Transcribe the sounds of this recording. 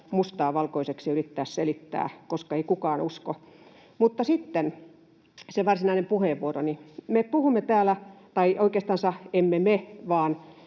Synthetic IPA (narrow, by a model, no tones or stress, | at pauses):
must̪ɑːʋɑlkoiseksiyrit̪ːæːsselit̪ːæ̰ːkoskɑeikukɑːnusko | mut̪ːɑsit̪ːen | seʋɑrsinɑinempuheːʋʋuoronimepuhumːet̪æːlæt̪ɑiʔoikeːst̪ɑnsɑhemːemeʋɑːn